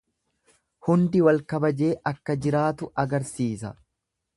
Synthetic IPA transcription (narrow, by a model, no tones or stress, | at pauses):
hʊnd̪ɪwɐlkɐbɐd͡ʒe̞ːʔɐkːɐd͡ʒɪɾaːt̪ʊʔɐɡɐɾsiːsɐ